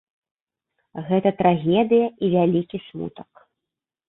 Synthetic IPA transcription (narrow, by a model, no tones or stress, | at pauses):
ɣɛt̪ɐt̪ɾaɣʲɛd̪ɨjɐʔivʲalʲikʲismṵt̪ɐk